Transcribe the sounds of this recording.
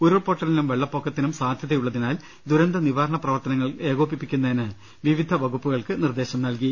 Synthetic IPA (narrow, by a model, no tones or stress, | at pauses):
uɾopoʈːɐlinumʋeɭːɐpːokʰːɐt̪ːinumsaːd̪ʱjɐðɐjuɭːɐðinaːl | d̪uɾɐnd̪ɐniʋaːɾɐɳɐprɐʋɐrt̪ɐnɐŋːɐɭe̞ːɣoːp̬ːipːikʲːunːɐinɨ | ʋiʋid̪ʱɐʋɐɣupːuɣɐɭkɨnird̪e̞ːɕɐmnɐlki